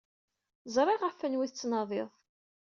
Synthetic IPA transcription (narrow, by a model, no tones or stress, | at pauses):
zˤɾˤɪʁafːənwiθət͡sːnɑðˤeðˤ